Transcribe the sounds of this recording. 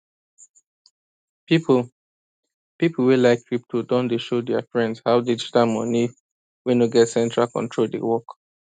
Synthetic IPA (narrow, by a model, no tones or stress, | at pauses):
pipʰu | piplwilaɪkːɹip̚tʰodɔ̃ndeʃodɛafɹɛ̃ndshaʊdid͡ʒitalmɔni | wɛ̃nuɡɛtsɛ̃ntʰɹalkɔ̰̃ntʰɹoldḛwɔk